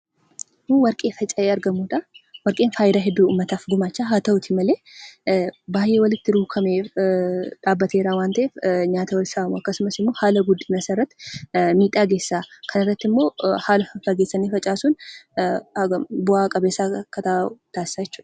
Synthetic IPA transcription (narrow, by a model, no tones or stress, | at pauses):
mːwɐɾkʼe̞ːfɐt͡ʃʼɐʔeːɐɾɡɐmuːᶑ̪awɐɾkʼeːnfaːjɪd̪aːɦɛd̪ːuːuːmːɐt̪aːfɡʊmaːt͡ʃːaːɦaːt̪ɐwʊt̪ʰɪmɐleː | baːjʔːe̞ːwɐlɪt̪ːɪɾuːkʰɐmeː | ᶑaːbːɐt̪e̞ːɾaːwaːnt̪ɐʔeːfɲaːt̪ɐwɐlsɐbɐmʊɐkːɐsʊmɐsɪmːo̞ːhaːlɐɡʊd̪ːɪnɐsɐrːɐt̪ːɪ̥miːt̪ʼaːɡe̞ːsːaːkʰɐnɪrːɐt̪ːɪmːo̞ːhaːlɐfɐfɐɡeːsːɐniːfɐt͡ʃʼaːsuːn | ɡɐbʊaːkʼɐbeːsaːkːɐt̪at̪aːsɪ̥saːjɛt͡ʃːuːᶑɐ